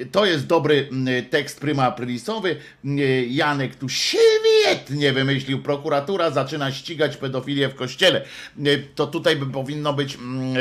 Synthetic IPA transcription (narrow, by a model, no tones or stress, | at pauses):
t̪ɔjɛst̪̚d̪ɔbɾɘt̪ɛkst̪̚pɾɘmapɾɘlʲisɔvɘ | janɛkt̪uɕvʲjjɛt̪ɲɛvɘmɘɕlʲiwpɾɔkuɾat̪uɾazat͡ʂɘnaɕt͡ɕiɡat͡ɕpɛd̪ɔfʲilʲjɛfkɔɕt͡ɕɛlɛ | t̪ɔt̪ut̪ajpɔvʲinːɔbɘt͡ɕ